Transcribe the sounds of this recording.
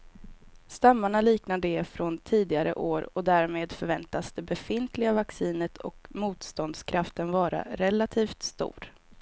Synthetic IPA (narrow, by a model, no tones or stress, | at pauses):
st̪amːaɳaliːknad̪əɛfɾɔnt̪ʰiːd̪ɪɡaɾə̰ʔoːɾɔd̪æɾmeːd̪fœɾvɛnt̪asd̪ɛbɛfɪnt̪ʰlɪɡavaksiːnət̪ʰɔ̰kmuːt̪st̪ɔnd̪skʰɾaft̪ənvɑːɾa̰ɾɛlat̪ʰiːft̪st̪ṵːɾ